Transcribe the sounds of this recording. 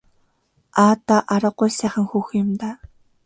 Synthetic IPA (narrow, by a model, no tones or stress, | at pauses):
aːt̪ːaʔaɾə̆qːʊjsæːχə̆ŋxuːxjʊmt̪aː